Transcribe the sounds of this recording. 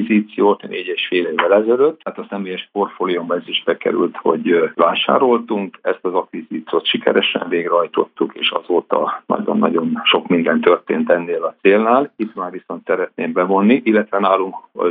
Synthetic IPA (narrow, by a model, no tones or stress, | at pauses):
ziːt̪sijoːt̪nʔeːɟeːʃfeːleːvːɛlɛzɛløt̪ːat̪ɒsɛmeːjɛʃpo̞rfoːliumbɛziʒbɛkɛ̰ɾy̰lt̪ho̞̰ɟvaːʃa̰ːɾo̞lt̪uŋkɛst̪ɒzɒkʋiziːt̪sijoːt̪ʃikɛ̰ɾɛʃɛ̰ɱveːɡɾɛɦɒjt̪o̞̰t̪ːukḛːʃɒ̰zoːt̪ɒ̰nɒ̰ɟo̰nːɒ̰ɟo̞nʃo̞kmind̪ɛnt̪ørt̪ḛːnt̪ɛnːeːlɒt̪seːlnaːlit̪maːrʋiso̞nt̪sɛɾɛt̪neːmbɛvo̞nːiʔilːɛt̪ʋɛnaːluŋk